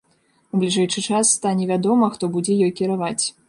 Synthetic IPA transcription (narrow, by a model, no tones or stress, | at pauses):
ublʲiʐɛjt͡ʂɨt͡ʂasːt̪anʲɛvʲad̪ɔmɐxt̪ɔbud͡zʲɛjɔjkʲiɾavat͡sʲ